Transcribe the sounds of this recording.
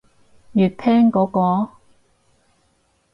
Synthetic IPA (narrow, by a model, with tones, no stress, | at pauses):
jyː˨˩t̚pʰɛː˥ŋkɔː˨˥kɔː˧